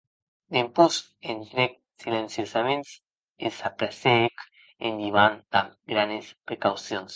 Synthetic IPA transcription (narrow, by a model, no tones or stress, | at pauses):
d̪empus | ent̪ɾek̚ | silensjosamẽnt̪s | esapɾasek | ḛnd̪iβand̪aɡɾanespɾekawsjons